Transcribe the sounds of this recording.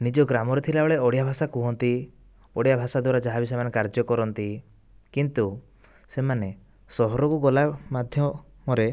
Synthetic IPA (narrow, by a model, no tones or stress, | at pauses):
nid͡ʒɔɡɾamɔɾet̪ʰilaɔɭeɔɽijabʱasakuɦɔnt̪i | ɔɽijabʱasad̪waɾad͡ʒaɦabis̬emanekaɾd͡ʒɔkɔɾɔnt̪i | kint̪u | semane | sɔɦɔɾɔkuɡɔlamad̪ʱjɔ | mɔɾe